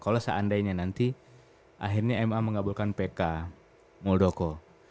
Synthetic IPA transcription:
kalosa̰andaiɲanant̪i | a̰ɦirɲaɛmaməŋabulkanpeka | mɔldokɔ

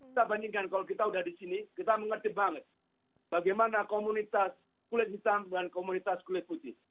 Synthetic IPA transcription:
kit̪abandiŋkankalok̬it̪audahdisinikit̪aməŋərt̪ibaŋət̪̚ | b̥aɡajmanakomunit̪as | kulɪt̪̚ɦit̪amdankomunit̪askulɪt̪̚put̪ɪ

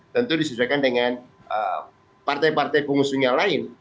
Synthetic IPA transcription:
t̪ənt̪udisəd͡ʒakandəŋan | ʔə̰ | part̪ajpart̪ajpuŋusuɲjalaɪn

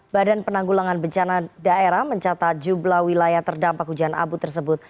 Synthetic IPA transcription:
badanpənaŋɡulaŋanbəɲt͡ʃanadaʔeɾahməɲt͡ʃat̪at̪̚d͡ʒublahwilajaht̪ərdampak̚hud͡ʒaana̰but̪ərs̬əbʊt̪̚

